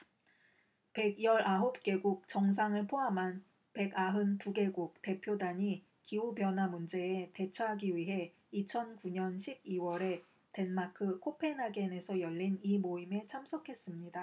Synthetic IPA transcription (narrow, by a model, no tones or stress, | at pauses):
pe̞ɡjʌɾaɦop̚k͈e̞ɡuk̚t͡ɕʌŋs̬ʰaŋɯɭpʰoɦamɦan | pe̞ɡaɦɯntuɡe̞ɡuk̚te̞pʰjodaɲi | kiubjʌnɦwamund͡ʑe̞ːte̞t͡ɕʰaɦaɡiɥiɦe̞ | it͡ɕʰʌnkuɲʌnɕʰib̚iwʌɾe̞ | te̞nmakʰɯkʰopʰe̞naɡene̞sʰʌjʌʎːinimoime̞t͡ɕʰamsʰʌkʰe̞s͈ɯmɲida